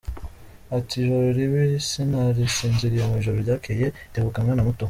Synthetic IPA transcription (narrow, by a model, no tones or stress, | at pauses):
atiʒoɾoɾiβisinaɾisiːnziɾijomuiʒoɾoɾɟaːkʰejeteβukaŋɡanamuto